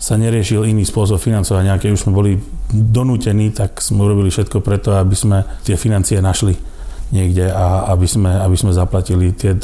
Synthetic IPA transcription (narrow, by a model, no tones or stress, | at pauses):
saɲɛɾɪɛʃiliniːspʊɔs̬ɔpfinant͡sɔʋaɟɲakɛɟuz̥mɛbɔlid̪ɔnuːcɛniːt̪akz̥mɛuɾɔbilifʃɛt̪kɔpɾɛt̪ɔabiz̥mɛt̪ɪɛfinant͡sianaʃli | ɲɪɛɡɟɛaabiz̥mɛabiz̥mɛzaplacilit̪ɪɛ